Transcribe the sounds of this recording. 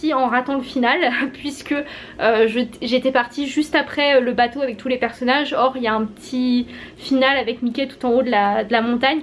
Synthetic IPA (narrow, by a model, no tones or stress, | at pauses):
iɑ̃ʁat̪ɑ̃ləfinalpɥiskʲə | øʒəʒet̪ɛpaʁt̪iʒyst̪apχɛøləbat̪oavɛk̚t̪ʰulepɛʁsɔnaʒɔʁiljaɛ̃pət̪ʰifinalavɛkmikʲet̪u̥t̪ɑ̃od̪əlad̪əlamɔ̃t̪aɲ